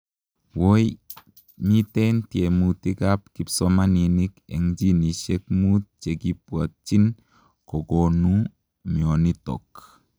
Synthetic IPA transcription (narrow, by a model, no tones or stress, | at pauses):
woj | mitentiemutikap̚kipsɔmaninikḛŋd͡ʒiniʃek̚mut̚t͡ʃeɡipuat͡ʃin | koɡonu | mionitɔ̰k